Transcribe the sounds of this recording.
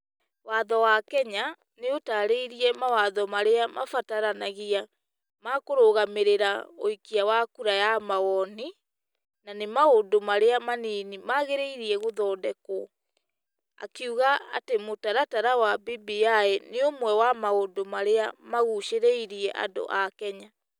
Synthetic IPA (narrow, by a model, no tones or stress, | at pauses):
waðɔwakɛɲa | neotaɾeiɾiɛmawaðɔmaɾeamafataɾanaɣia | makoɾoɣameɾeɾaoikiawakuɾajamaɣɔni | nanemaondomaɾeamaniːnimaɣeɾeiɾiɛɣoðɔːdɛkɔ | a̰keuɣaa̰temotaɾataɾawabibiaeneomwɛwamaondomaɾeamaɣuʃeɾeiɾiɛʔa̰ndo̰ʔakɛɲa